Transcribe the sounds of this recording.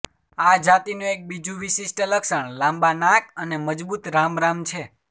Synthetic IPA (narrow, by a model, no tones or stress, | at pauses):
ad͡ʒat̪inũek̚bid͡ʒũʋisisʈələksəɳlãmbanakəneməd͡ʒbut̪ɾamɾamt͡ʃʰe